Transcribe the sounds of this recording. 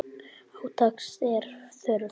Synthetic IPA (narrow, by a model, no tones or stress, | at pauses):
awt̪ʰaksɛɾ̥θœɾʏ